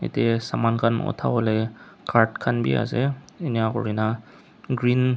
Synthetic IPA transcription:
ḛtiasamankʰanɔ̰tʰabɔlɛkʰaɹtkʰanbḭa̰zɛ | enijakɔɹina | ɡɹin

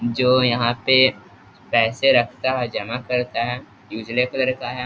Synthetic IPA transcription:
d͡ʒoːjɐɦãpe | pɛːseɾɐkʰt̪aɦɛd͡ʒɐmakɐɾt̪aɦɛː | juːd͡ʒlekolɐɾkaɦɛː

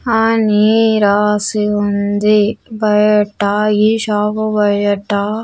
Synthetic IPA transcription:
aːniɾaːsiund̪ibɐjɐʈːaiʃaːkubɐjɐʈa

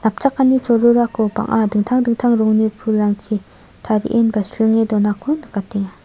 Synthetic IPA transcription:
nap̚t͡ʃakːanit͡ʃɔɾuɾakʰɔba̰ŋʔadɯŋtʰaŋdɯŋtʰaŋɾɔŋnipʰulaŋtʰi | tʰaɾḭʔenbasɾiŋedɔnakʰunakatiŋa

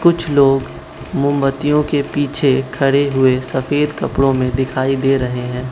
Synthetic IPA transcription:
kʊt͡ʃʰloːɡ | mʊ̃mbət̪ijõkepiːt͡ʃʰekʰɐɽeɦʊesɐfeːd̪kɐpɽõmẽd̪ɪkʰaːid̪eːɾɐɦeɦɛ̃ː

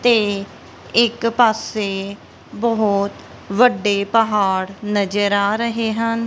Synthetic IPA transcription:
t̪eː | ɪkpaːseː | bəɦʊt̪ | ʋəɖːeːpəɦaːɽnəd͡ʒəɾaːɾəɦeːɦən

